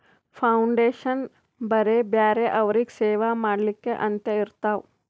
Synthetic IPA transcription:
pʰauɳɖeːʃɐn | bɐɾebjaːɾeʔɐʋɾikseːʋamaːɽlikːeʔɐnt̪jɐiɾt̪aːw

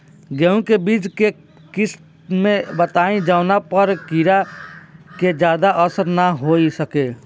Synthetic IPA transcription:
ɡɛũkebiːt͡ʃke | kɪs | mẽbət̪aːẽd͡ʒaʊnapəɾkiɾa | ked͡ʒjaːd̪aʔəsəɾnaɦoːisəkeː

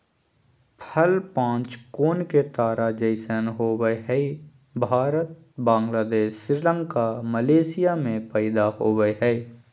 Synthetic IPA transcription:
pʰəlpãːt͡ʃkoːnket̪aːɾad͡ʒəɪsənɦoːwəeɦɛi | bʱaːɾət̪̚ | bãːŋɡlaːd̪eːʃːɪɾlə̃ŋkaməleːsɪjamẽpɛːɪd̪ahoːɡəeɦɛ

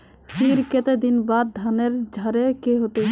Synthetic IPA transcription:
fiɾket̪ed̪inbad̪̚d̪ʱaneɾd͡ʒʱaɾekeɦot̪e

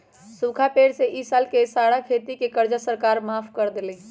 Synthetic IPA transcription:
sukʰapeɽseʔisalkesaɽakʰet̪ikekəɾd͡ʒasəɾkaɾmapʰkəɾd̪elɛ

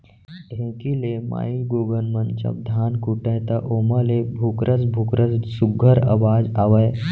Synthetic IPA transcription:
ɖʱẽkilema̰iɡoɡənmənt͡ʃɐ̰p̚d̪ʱankuʈəjt̪ɐʔomalebʱukɾʔəd͡zbʱukɾʔəd͡zsuɡʱəɾə̰ʋaːd͡ʒaʋəj

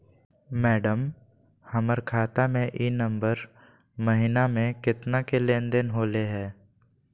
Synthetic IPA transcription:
mɛːɖəm | həməɾkʰaːt̪amẽʔiːnə̃mbəɾ | məɦɪnamẽkɪt̪nakelẽːnd̪enɦoːleɦɛː

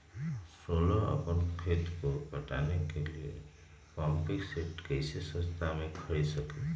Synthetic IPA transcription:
solɔʌ̰pənkʰet̪kopʌʈanekeliḛ | pampikseʈkəjsesʌ̃st̪ʰamekʰʌɾisʌke

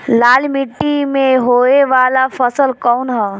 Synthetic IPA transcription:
laːlmɪʈːimẽɦoːeʋaːlafʰəsəlkɔʊnɦɛ

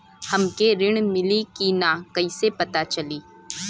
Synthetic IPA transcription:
hɐmkeɾɪɽ̃mɪlikinakɐisepɐt̪at͡ʃɐliː

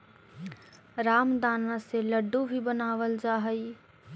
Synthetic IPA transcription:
ɾaːmd̪aːnãseləɖːũbʱibənaːʋəld͡ʒaːɦəi

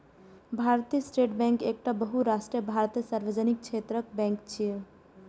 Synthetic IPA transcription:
bʱaɾt̪ijəsʈeʈbɛ̃ŋkek̚ʈabəɦuɾasʈɾijəbʱaɾt̪ijəsaɾʋəd͡ʒənik̚t͡ʃʰet̪ɾək̚bɛ̃ŋkt͡ʃʰie

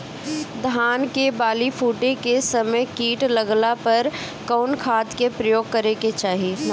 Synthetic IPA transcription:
d̪ʱaːnkebaːlipʰuːʈẽkesəməjkiːʈləɡlapɐɾ | kɔːnkʰaːd̪kepɾəjoːɡ̚kəɾeket͡ʃaːɦi

